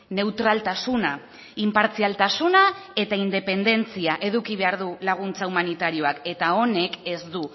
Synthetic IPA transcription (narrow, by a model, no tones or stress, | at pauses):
ne̞wt̪ɾalt̪asuna | impaɾt͡sialt̪asunae̞t̪aind̪e̞pe̞nd̪e̞nt͡siaʔe̞ðukiβ̞e̞aɾðulaɣ̞unt͡saumanit̪aɾio̞ake̞t̪ao̞ne̞ke̞zd̪u